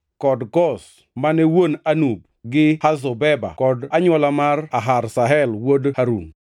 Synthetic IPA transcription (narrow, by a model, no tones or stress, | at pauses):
kɔdɡɔs | manɛwonanub̚ | ɡɪhazɔbɛba̰kɔdaɲwɔlamaraɦarsaɦɛlwodhaɾṵŋ